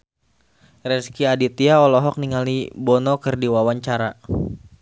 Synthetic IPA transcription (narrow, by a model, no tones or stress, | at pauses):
rɛskiadit̪iaɔlɔɦɔk̚niŋalibɔnɔkɨrdiwawaɲt͡ʃaɾa